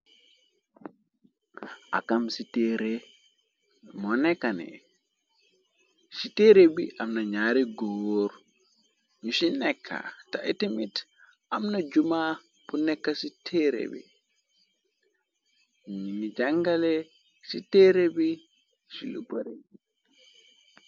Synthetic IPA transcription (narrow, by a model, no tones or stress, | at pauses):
ʔa̰kamsiteɾe | mɔnɛkːanɛ̰ | siteɾebiʔamnaɲaːɾiɡowoɾ | ɲusinɛkʰːa̰taʔitimit | ʔamnad͡ʒuma | b̥unɛkːasitʰeɾḛbḭ | ɲɲinid͡ʒaŋɡale | siteɾebi | siluboɾe